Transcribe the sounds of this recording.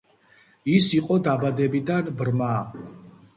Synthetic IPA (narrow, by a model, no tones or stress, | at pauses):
isiqʼɔd̪abad̪ɛbid̪anbɾma